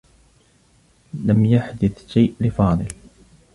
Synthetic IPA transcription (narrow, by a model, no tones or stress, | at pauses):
lamjaħd̪ɪθʃajʔlɪfɑːðˤɨl